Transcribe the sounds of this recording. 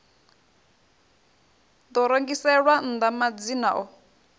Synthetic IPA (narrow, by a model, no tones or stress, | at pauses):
d̪ɔɾoŋɡisɛɺwan̩d̪amad͡zinaʔɔ